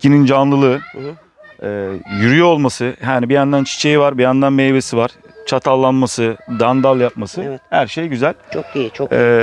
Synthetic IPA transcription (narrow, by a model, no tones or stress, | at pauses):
cʰinind͡ʒanlˠɯlˠɯː | ɛːjyɾyjoolˠmasɯhaːnibijand̪ant͡ʃʰi̥t͡ʃʰe̞jivaɾbijand̪anmejbe̞sivaɾ̥ | t͡ʃʰat̪ʰalˠːanmasɯd̪and̪alˠjapmasɯhæɾʃe̞jɟyzælʲt͡ʃʰoɛː